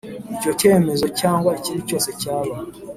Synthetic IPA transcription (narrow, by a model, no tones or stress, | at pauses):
ico̞ce̞ːme̞zo̞caːŋɡwaiciːnuco̞ːse̞caːβa